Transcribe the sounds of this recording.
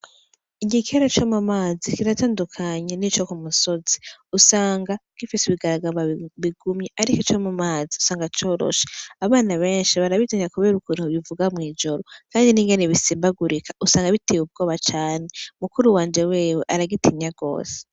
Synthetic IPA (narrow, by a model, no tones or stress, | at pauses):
iɟikʰeɾat͡ʃomamaːzikiɾataːndukʰaɲe̞nit͡ʃo̞kumuso̞ziusaːŋɡaɡ̥ifisiβiɡaɾaɡaβaβiɡumɲeʔaɾikot͡ʃomumaːziusaːŋɡat͡ʃo̞ːɾo̰ʃeaβaːnaβe̞ːnʃiβaɾaβitiɲakuβe̞ːɾukunhuβivuɡamŋiːd͡ʒo̞ɾo̞kaːndiniŋɡe̞neβisiːmbaɡuɾikʰḁusaːŋɡaβitʰewub̚ɡo̞ːβat͡ʃaːne̞mukuɾuwaːnd͡ʒe̞weːweʔaɾaɡitʰimɲaɡo̞̰ːse̥